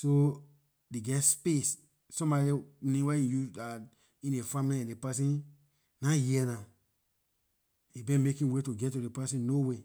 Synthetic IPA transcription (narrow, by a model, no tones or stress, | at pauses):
so | deɡɛtspes | sɔ̃mbɔdinĩwɛ̃ĩjuda | ĩnefãmiliɛ̃depasĩn | najiɛnã | ibɛ̃nmekĩwetuɡɛtudepɛsĩnnowe